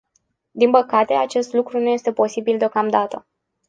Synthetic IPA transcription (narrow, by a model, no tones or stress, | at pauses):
d̪inpəkat̪e̞at͡ʃe̞st̪lukɾunuje̞st̪e̞po̞sibild̪eo̞kamd̪at̪ə